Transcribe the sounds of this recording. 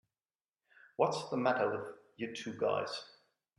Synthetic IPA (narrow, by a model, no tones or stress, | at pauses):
wʌtsðəmæɾə˞ɪðjətʰʉɡa̰ɪz̥